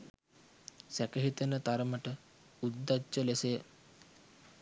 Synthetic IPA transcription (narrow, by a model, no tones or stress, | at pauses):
sækəɦit̪ənət̪aɾəməʈə | ud̪ːat͡ʃːəlese